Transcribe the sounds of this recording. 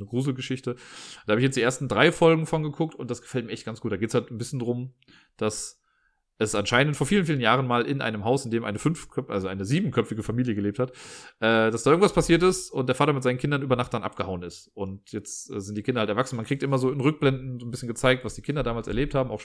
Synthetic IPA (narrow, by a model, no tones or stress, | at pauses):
nəɡʁuːzl̩ɡəʃɪçtəd̥ahabɪçjɛt͡sd̥iːeɐstn̩dʁaɪfɔlɡŋ̩fɔnɡəkʰʊk̚tʊ̰ntd̥asɡ̥ə̥fɛltmiːɐɛçt̚ɡ̥ansɡ̥uːt̚d̥aɡeːtshaltnbɪsçəndʁʊm | d̥as | ʔɛsʔanʃaɪnəntfoɐfiːlən̩fiːlənjaːʁ̞ənmaːlʔɪnʔa̰ɪnəmɦaʊsɪndeːmʔaɪnəfʏnfkʰœʔa̰lzoʔaɪnəziːbm̩kʰœp͡fɪɡəfamiːljəɡəleːp̚thatʔɛːd̥asd̥aːɪɐɡŋ̩tvaspʰasiːɐtɪstʊntd̥eɐfaːtɐmɪt̚zaɪnkʰɪndɐnʔyːbɐnaχtd̥anʔapɡ̥əhaʊənɪstʔʊntjɛt͡stʔɛ̰ːzɪntd̥iːkʰɪndɐhaltɛɐvaksn̩mankʁ̥iːk̚tʔɪmɐzoːɪnʁʏk̚b̥lɛndn̩zoːnbɪsçənɡət͡saɪk̚tv̥asd̥iːkʰɪndɐdaːmaːlsɛɐleːp̚thaːbm̩aʊʃ